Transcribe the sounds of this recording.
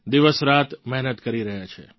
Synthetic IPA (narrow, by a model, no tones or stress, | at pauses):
d̪iʋəsɾat̪mɛɦnət̪kəɾiɾəɦjat͡ʃʰḛ